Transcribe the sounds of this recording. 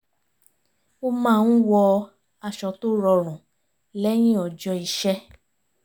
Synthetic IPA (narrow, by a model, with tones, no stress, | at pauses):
o˦˧mãː˦˨˧n̩˦wɔ˧ | a˧˨ʃɔ˧to˦ɾɔ˧ɾ̃ũ˨ | lɛ˦j̃ĩ˦ɔ˨d͡ʒɔ˧i˨ʃɛ˦